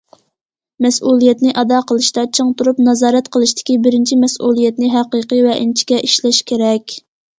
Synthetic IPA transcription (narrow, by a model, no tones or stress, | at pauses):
mɛsulˠijɛt̪nɪʔɑd̪ɑqʰəlˠɨʃt̪ɑt͡ʃʰɨŋt̪uɾupnɑzɑːɾɛt̪qʰəlˠɨʃt̪ʰɪ̥kʲibɪɾɪnt͡ʃʰimɛsulˠijɛt̪nɪɦæqəqəvɛʔint͡ʃʰi̥kʲɛʔiʃlɛʃkʲʰeɾɛkʲ